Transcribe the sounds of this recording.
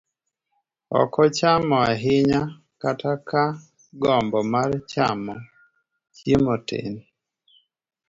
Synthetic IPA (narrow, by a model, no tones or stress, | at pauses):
ɔ̰kɔt͡ʃamɔaɦɪɲa | kataka | ɡɔmbɔmart͡ʃamɔ | t͡ʃemɔtḛn